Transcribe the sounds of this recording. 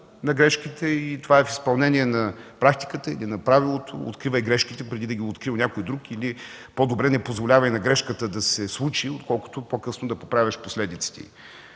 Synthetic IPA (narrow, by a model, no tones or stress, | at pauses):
nɐɡɾɛʃkit̪ɛit̪ovaɛfi̥spɐlˠnɛniɛnɐpɾak̚t̪i̥kət̪əḭlinɐpɾavilˠot̪ʰo̰o̰t̪kɾivəjɡɾɛʃkit̪ɛpɾɛd̪id̪ɐɡʲiot̪kɾilˠnʲakojd̪ɾukili | pɔd̪obɾɛnɛpozvolʲavɐjnɐɡɾɛʃkət̪əd̪ɐsɛslˠut͡ʃiot̪kɔlˠkʊ̥o̥t̪opokɤsnod̪ɐpopɾavʲɐʃposlɛd̪it̪si̥t̪ḭ